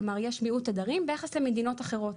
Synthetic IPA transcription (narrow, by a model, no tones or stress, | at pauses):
maʁjeʃmiutad̪aʁimbejaχeslemed̪ino̞taχe̞ʁo̞t